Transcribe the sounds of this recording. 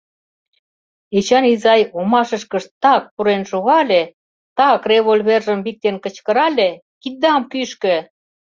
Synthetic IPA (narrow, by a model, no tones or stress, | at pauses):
et͡ɕɑnizɑjomɑʃə̆ʃkə̆ʃt̪ɑk̚puɾenʃoɣɑlʲe | t̪ɑkreβolʲβerʒə̆mβik̚t̪enkə̆t͡ɕkə̆ɾɑlʲe | kid̪ɑmkyʃkø̆